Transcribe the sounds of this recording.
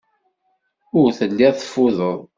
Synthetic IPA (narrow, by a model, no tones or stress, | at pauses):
ʊɾθəlːæθfːʊðəðˤ